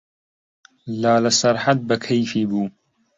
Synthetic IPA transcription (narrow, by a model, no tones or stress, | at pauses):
laːlɐsɐɾħat̪̚bɐkʰɐjfiːbuː